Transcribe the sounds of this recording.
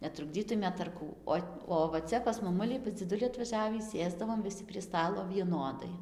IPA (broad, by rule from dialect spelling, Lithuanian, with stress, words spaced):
nʲɛtrʊɡˈd͡zʲiːtʊmʲeːt ɐr ˈkuː ˈoː oː ʋɐ ˈt͡sʲɛ pɐs mɐˈmʊlʲɪ pɐs d͡zʲɪˈdʊlʲɪ ɐtʋɐˈʒʲæːʋʲiː ˈsʲeːzdɐʋoːm ʋʲɪˈsʲɪ pʲrʲiɛ ˈstɑːlˠoː ʋʲiɛˈnoːdɐɪ